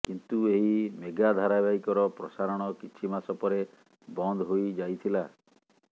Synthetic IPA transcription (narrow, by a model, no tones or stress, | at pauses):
kint̪ueɦimeɡad̪ʱaɾabaikɔɾɔpɾɔsaɾɔɽ̃ɔkit͡ʃʰimasɔpɔɾe | bɔnd̪ʱɦojd͡ʒajt̪ʰila